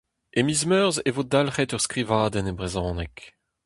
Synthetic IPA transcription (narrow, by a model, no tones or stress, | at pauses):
emizmœʁzevod̪alχetœʁskʁivaːd̪ɛnebʁezɔ̃ːnɛk